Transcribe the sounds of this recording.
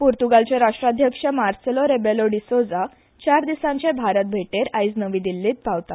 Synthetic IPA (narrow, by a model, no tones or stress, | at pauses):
puɾt̪uɡalt͡ɕẽɾaʂʈɾad̪ʱjəkʂəmaɾselɔɾebeloɖisod͡za | t͡ɕaɾd̪isãɲt͡ɕẽbʱaɾət̪̚bʱeʈeɾajd͡znəʋiːd̪ilːiːt̪̚pawt̪at̪